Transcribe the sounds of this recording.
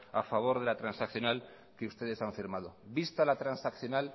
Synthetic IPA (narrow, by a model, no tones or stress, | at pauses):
afaβ̞o̞ɾð̞e̞lat̪ɾansakθjo̞nal | keust̪e̞ð̞e̞saɱfiɾmaðo̞bist̪alat̪ɾansakθjo̞nal